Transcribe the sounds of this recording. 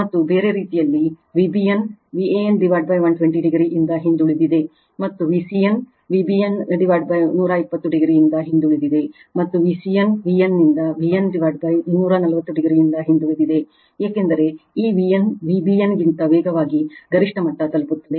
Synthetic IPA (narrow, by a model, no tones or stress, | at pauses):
mɐt̪ːubeːɾe̞ɾiːt̪ijɐlːi | ʋibijenʋieenɖiʋaɾɖ̚bɐjʋɐnʈʋeɳʈiɖiɡɾiʔind̪ɐɦind̪uɭid̪id̪e̞ | mɐt̪ːuʋiːsijɐn | ʋibienɖiʋaɖ̚bɐjnuːɾɐipːɐt̪ːuɖiɡɾijind̪ɐɦind̪uɭid̪id̪e̞ | mɐt̪ːuʋisijɐnʋiɐnːind̪ɐʋienɖiʋɐːɖ̚bɐjnuːɾɐnɐlɐʋɐt̪ːuɖiɡɾijind̪ɐɦind̪uɭid̪id̪e̞ | eːkend̪ɐɾe̞iːʋienʋibijenɡint̪ɐʋeːɡɐʋaːɡiɡɐɾiʂʈɐmɐʈːɐt̪ɐlput̪ːɐd̪e